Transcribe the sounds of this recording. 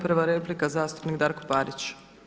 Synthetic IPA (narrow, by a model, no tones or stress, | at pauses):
pɾʋaɾeplikazaːst̪u̥pnikd̪aːɾko̞paːɾit͡ɕ